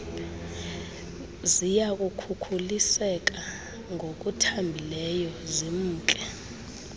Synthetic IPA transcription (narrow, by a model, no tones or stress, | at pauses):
zijak̬ʼukʰukʰulisɛk̬ʼa | ŋʱok̬ʼutʰambʱilɛjɔzem̩ːt͡ɬʼɛ